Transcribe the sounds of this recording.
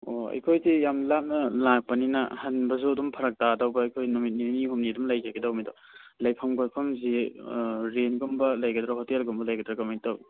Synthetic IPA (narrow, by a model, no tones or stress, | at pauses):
oɐ̰jkʰojzijamlap̚nɐlak̚pɐninɐ̰hɐnbɐzudumpʰɐɾɐk̚tadawbɐɐjkʰojnumit̚niniɦumnidumlɐjzaɡidawmidɔ | lɐjpʰɐmɡotpʰɐmzi | ɾenɡumbɐlɐjɡɐdɾaɦotelɡumbɐlɐjɡɐdɾɐkɐmentaw